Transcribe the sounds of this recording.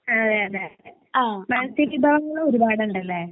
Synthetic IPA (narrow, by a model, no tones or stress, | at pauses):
ɐðeɐðeðe | aːmɐnɐsiʋibʱaːʋɐŋːɐɭooɾubaːɽɐuɳɖɐlːe